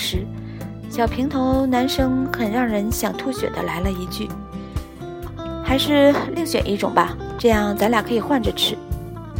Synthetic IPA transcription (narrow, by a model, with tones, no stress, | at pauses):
ʂɻ̩˧˥ | ɕjɑ˨˩ʊpʰi˧˥ŋt̪ʰo˧˥ʊna˧˥nʂɤ˥ŋkʰə˨˩nɻɑ˥˩ŋɻə˧˥nɕjɑ˨˩ŋt̪ʰu˥˩ɕɥɛ̰˨˩d̪ə̰˦la˧˥ɪlə˧i˧˥t͡ɕy˥˩ | xa˧˥ɪʂɻ̩˥˧li˥˧ŋɕɥɛ̰˨˩nʔi˥˩ʈ͡ʂʊ˨˩ŋbɐ˦ʈ͡ʂɤ˥˧jɑ˥˩ŋt͡sa˧˥nla˨˩kʰɤ˧˥i˨˩xwa˥˩nʈ͡ʂə˨˩ʈ͡ʂʰɻ̩˨˩˦